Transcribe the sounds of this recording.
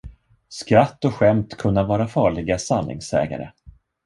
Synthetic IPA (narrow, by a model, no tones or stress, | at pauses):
skɾat̪ːɔɧɛmt̪kʰɵnːavɑːɾafɑːɭɪɡasanːɪ̰ŋsɛ̰ːɡa̰ɾə̰